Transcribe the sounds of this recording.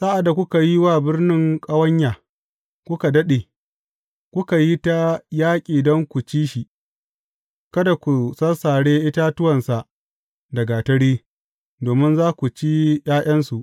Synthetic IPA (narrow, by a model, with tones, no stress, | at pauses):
saː˦ʔa˨da˨kʷʊ˦ka˨ji˦waː˦˨bɪ˦rnɪ˦ŋkʼa˦wɐ˦ɲjaː˨ | kʷʊ˦ka˨dɐ˦ɗeː˨ | kʷʊ˦ka˨ji˦ta˦jaː˦kʲʼiː˨dɔ˦ŋkʷu˨t͡ʃiː˦ʃi˨ʔ | kɐ˦da˨kʷu˨sɐ˦saː˨ɽeː˦ʔɪ˦ta˦tʊ˦wɐ˨nsa˨ʔ | dɐ˨ɡa˨tɐ˦ɽiː˦ | doː˨mɪ˦nzaː˦kʷu˨t͡ʃi˦j̰aː˦j̰ʔɐ˦nsu˨ʔ